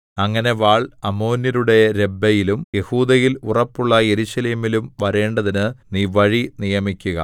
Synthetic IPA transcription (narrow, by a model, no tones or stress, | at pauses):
ɐŋːɐne̞ʋaːɭɐmo̞ːniɾuɽe̞ɾe̞bːɐjilumje̞huːd̪ɐjilurɐpːuɭːɐje̞ɾuɕɐleːmilumʋɐɾe̞ːɳɖɐðinɨniːʋɐɻinijɐmikʲːuɣɐ̰